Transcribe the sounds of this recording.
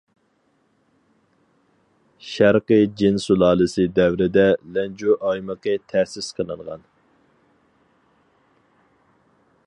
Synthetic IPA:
ʃæɾqəd͡ʒɪnsulˠɑːlˠɨsɨd̪ɛwɾɪd̪ɛlɛnd͡ʒuʔɑjməqət̪ʰæsɪsqʰənɨŋʁɑ̰n

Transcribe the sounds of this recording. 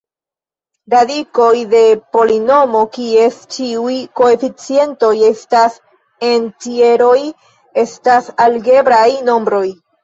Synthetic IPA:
ɾadiko̞jde̞po̞lino̞mo̞kie̞st͡ʃiujko̞e̞fit͡sie̞nto̞je̞stas | e̞ntie̞ɾo̞j | e̞stasalɡe̞bɾajno̞mbɾo̞j

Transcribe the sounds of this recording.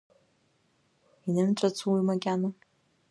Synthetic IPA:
inɨmt͡ʃʷʼat͡sʰuwimaɡʲana

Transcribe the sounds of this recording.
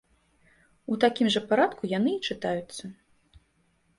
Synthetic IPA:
ut̪akʲimʐɐpaɾat̪kujan̪ɨit͡ʂɨt̪ajut̪sːɐ

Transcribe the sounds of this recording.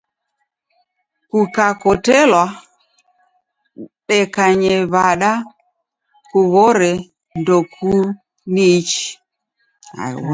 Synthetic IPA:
kukakɔtɛlwa | ɗɛkaɲɛβaɗa | kuβɔɾɛ | ndɔkʰu | nit͡ʃi̥ | a̰

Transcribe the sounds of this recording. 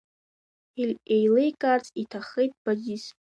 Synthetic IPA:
elʲejlejkʼart͡sʼitʰaχejtʼb̥azis

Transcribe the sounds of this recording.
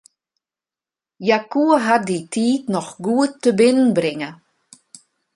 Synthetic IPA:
jakuəɦat̚ditʰiːtnɔxɡuətːəbɪnənbrɪŋə

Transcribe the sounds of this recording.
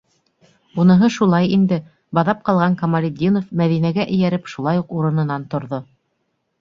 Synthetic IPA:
unɤ̆ɦɤʃulˠɑjind̪ɘ | bɑðɑp̚qɑlˠʁɑŋkɐmɐlʲɪd̪ʲːinofmæðinæɡæʔɘ̆jæɾɘpʃulˠɑjuquɾɤ̆nɤ̆nɑnt̪ŏɾðo

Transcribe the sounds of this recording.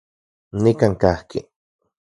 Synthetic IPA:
nikaŋkahkḭ

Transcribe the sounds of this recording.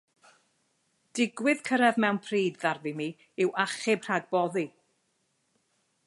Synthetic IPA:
d̥ɪɡwɪð̥kʰəɾɛðmɛwnpʰriːdðarðimi | ɪwaχɪb̥r̥aɡ̚bɔði

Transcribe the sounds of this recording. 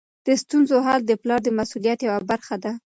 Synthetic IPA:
d̪̥əst̪unzoɦɑld̪əplɑɾd̪əmasulijat̪jawabaɾxad̪a

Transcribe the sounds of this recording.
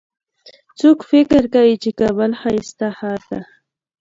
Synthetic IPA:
t͡sʊkfɪkɪɾkaɪt͡ʃɪkabalhaɪst̪ahaːt̪a

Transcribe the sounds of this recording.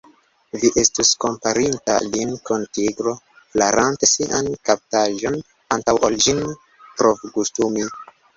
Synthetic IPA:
viʔe̞stusko̞mpaɾinta̰linkontiɡɾo̞ | flaɾʔante̞siʔankap̚taʒo̞n | antawʔalʒin | pɾovɡustumi

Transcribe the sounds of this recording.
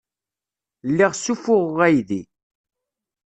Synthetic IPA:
lːiʁsufʊʁæjði

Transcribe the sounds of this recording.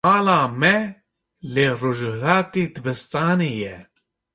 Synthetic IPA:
maːlaːmɛ | leːroʒɾaːt̪iːd̪ɨbɨst̪aːneːjɛ

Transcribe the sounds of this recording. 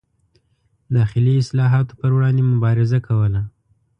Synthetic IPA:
d̪ɑxɪliɪslɑɦɑt̪o̥pəɾwɽɑnd̪emʊbɑɾɪzakʰawəla

